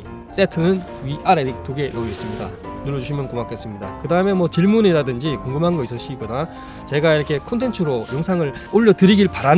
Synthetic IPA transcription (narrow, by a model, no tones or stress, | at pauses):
s͈e̞tʰɯnɯn | ɥiʔaɾeik̚t͈oɡe̞nois͈ɯmɲida̰ | nuɾːʌd͡ʑuɕʰimjʌnkomak͈es͈ɯmɲida̰kɯdaɯme̞mwʌt͡ɕiɭmuneɾadɯnd͡ʑikoŋɡɯmɦanɡʌisʰʌɕ͈ʰiɡʌna | t͡ɕe̞ɡaiɾʌkʰe̞kʰontʰe̞nt͡ɕʰɯɾojoŋsʰaŋɯɭ | oʎːʌtɯɾiɡiɭpaɾan